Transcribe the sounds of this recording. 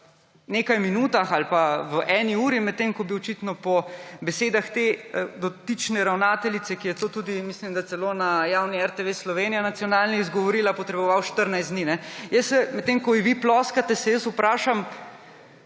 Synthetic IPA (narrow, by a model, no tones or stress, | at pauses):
neːkajminuːt̪axalpaʋəʔɛːniuːɾimɛt̪ːemkɔbiɔt͡ʃit̪nɔpɔbɛseːd̪axt̪ed̪ɔt̪it͡ʃnɛɾawnaːt̪ɛlit̪sɛkijɛt̪oːt̪ud̪imislimd̪at̪sɛlonajawniɛɾt̪eʋeslɔʋeːnijanat̪sijɔnaːlniizɡɔʋɔɾiːlapɔt̪ɾɛbɔʋawʃt̪əɾnajst̪d̪niːnɛjəsɛmɛt̪ːemkɔjiʋiplɔskat̪ɛsɛjəsupɾaːʃam